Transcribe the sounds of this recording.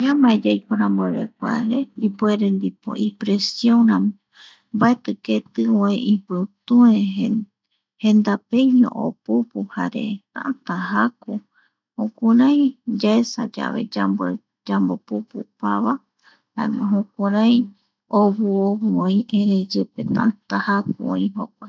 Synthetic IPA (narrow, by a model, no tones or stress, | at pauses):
jamad͡ʒajkoɾãmbeɾek̚ʷa̰ɾeipueɾend̪ipo̰ʔipɾesjõɾã | mbaet̪ɨket̪ɨoeipɨt̪ũe | hẽ̞nd̪apejɲõ̰ʔo̰pupuhaɾe̞̰t̪ã̰ʔat̪aɦaku | hõkʷaɾaj̃d͡ʒaesa̰d͡ʒa̰βe̞̰d͡ʒa | d͡ʒambopupupaβa | ha̰emõɦõkʷaɾaj̃ | oβuoβuõĩʔẽɾed͡ʒɨpet̪ã̰ʔt̪ahakuo̰ĩɦokʷe